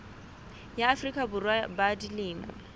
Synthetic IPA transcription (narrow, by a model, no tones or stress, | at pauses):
jaːfrikʼabʊrwabadilɪːna̰